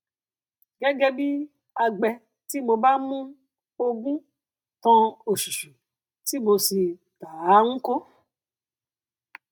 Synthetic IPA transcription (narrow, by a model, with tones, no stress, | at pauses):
ɡ̥ɛ˦ɡɛ˦bi˦ | a˧ɡ͡bɛ˧ | ti˦mo˧ba˦mũ˦ | o˧ɡũ˦ | tɔ̃˧o˨su˨ʃu˨ | ti˦bo˧si˧ | ta˨˦ŋ̩̃˦ko˦